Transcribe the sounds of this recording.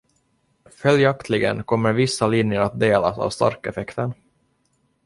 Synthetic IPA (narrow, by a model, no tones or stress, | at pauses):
fœljakt̪ʰlɪɡə̰nkʰɔmːəɾvɪsːalɪnjəɾat̪̚d̪eːla̰sa̰ːvst̪a̰ɾkɛfɛkt̪ən